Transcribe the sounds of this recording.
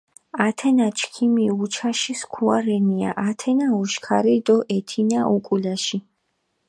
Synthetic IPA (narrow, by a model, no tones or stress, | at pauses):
at̪ʰɛnat͡ʃʰkʰimiut͡ʃʰaʃiskʰuaɾɛnia̰ʔat̪ʰɛnauʃkʰaɾid̪ɔʔɛt̪ʰinaʔukʼulaʃi